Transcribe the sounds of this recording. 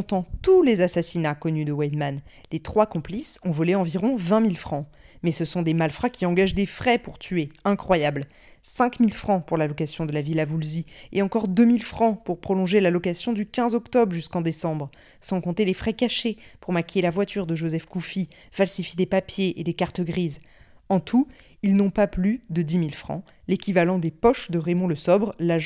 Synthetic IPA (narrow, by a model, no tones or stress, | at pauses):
t̪ɑ̃t̪ulezasasinakɔnyd̪əwɛd̪man | let̪χwakɔ̃plisɔ̃vɔleɑ̃viʁɔ̃vɛ̃milfχɑ̃ | mɛsəsɔ̃d̪emalfχakʲiɑ̃ɡaʒd̪efχɛpuʁt̪ʰyeɛ̃kχwajabl | sɛ̃kmilfχɑ̃puʁlalɔkasjɔ̃d̪əlavilavulzieɑ̃kɔʁd̪əmilfχɑ̃puʁpχɔlɔ̃ʒelalɔkasjɔ̃d̪ykʲɛ̃zɔkt̪ɔbʁʒyskɑ̃d̪esɑ̃bʁ | sɑ̃kɔ̃t̪elefχɛkaʃepuʁmakʲelavwat̪yʁd̪əʒozɛfkufi | falsifjed̪epapjeʔed̪ekaʁt̪əɡʁiz | ɑ̃t̪ʰu | ilnɔ̃paplyd̪əd̪imilfχɑ̰̃ | lekʲivalɑ̃d̪epɔʃd̪əʁemɔ̃ləsɔbʁlaʒ